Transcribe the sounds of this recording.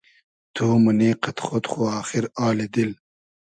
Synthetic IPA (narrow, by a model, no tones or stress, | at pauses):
t̪ʰuːmuniːqɐt̪xot̪xoaːxiɾaːlid̪il